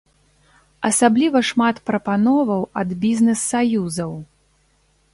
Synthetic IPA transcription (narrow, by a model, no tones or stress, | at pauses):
ɐsablʲivɐʂmat̪pɾɐpanɔvɐwɐd̪bʲizʲnɛsːajuzɐw